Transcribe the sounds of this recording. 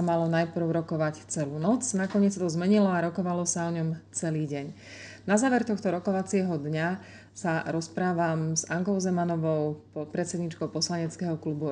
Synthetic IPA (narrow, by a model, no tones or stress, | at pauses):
amalɔnajpr̩ʊɾɔkɔʋact͡sɛluːnɔt͡snakɔɲɪɛt͡ssat̪ɔzmɛɲilɔaɾɔkɔʋalɔsaɔɲɔmt͡sɛliːɟɛɲ | nazaːʋɛɾt̪ɔxt̪ɔɾɔkɔʋat͡sɪɛɦɔd̪ɲa | saɾɔspɾaːʋamzaŋkɔʊzɛmanɔʋɔʊpɔt̪̚pɾɛt͡sɛd̪ɲiːt͡ʃkɔʊpɔslaɲɛt͡skɛɦɔklubu